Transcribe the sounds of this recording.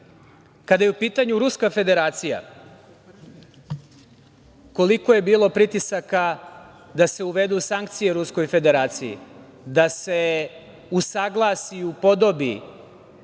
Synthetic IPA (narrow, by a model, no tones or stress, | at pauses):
kad̪ajeupiːt̪aɲuɾuskafe̞d̪e̞ɾaːt̪sija̰ | ko̞liko̞je̞biːlˠo̞pɾit̪isaka | d̪ase̞uʋe̞d̪usaŋk̚t̪sije̞ɾusko̞jfe̞d̪e̞ɾaːt̪sijḭ | d̪ase̞ | usaɡlˠasiupo̞d̪o̞bi